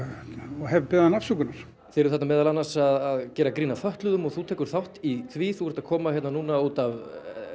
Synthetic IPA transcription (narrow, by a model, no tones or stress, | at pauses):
ɔɦɛvpɛːðanafsukʏnaɾ̥ | θɪːɾʏ̥θɛt̪namɛːðalanːasaðaðcɛːɾakɾiːnafœht̪lʏðʏmɔɣθut̪ʰɛːkʏɾ̥θawht̪iθviθuɛ̥ɾ̥ht̪ḁkʰɔːmaçjɛt̪nanuːnauːt̪av